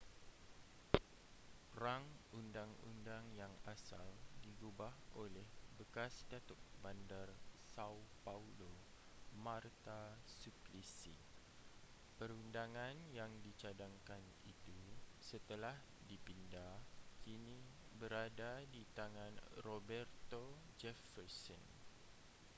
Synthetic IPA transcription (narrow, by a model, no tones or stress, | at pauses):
raŋundaŋṵndaŋjaŋasaldiɡubaholɛhbəkasdat̪ʊt̪̚bandarsawpaulo | mart̪asuplisi | pəɾundaŋãnjaŋdit͡ʃadaŋkan | ḭt̪usət̪əlah | dipindakinĩbəɾadadit̪aŋãnrobɛrt̪od͡ʒɛfərsɔn